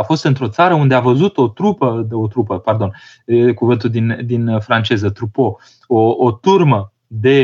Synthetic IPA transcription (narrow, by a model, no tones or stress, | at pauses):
afo̞st̪ɨnt̪ɾo̞t̪saɾəund̪e̞avəzut̪o̞t̪ɾupəot̪ɾupəpard̪o̞n | əkuvɨnt̪uld̪ind̪infɾant͡ʃe̞zət̪ɾupo̞ | oːt̪urmə | d̪e̞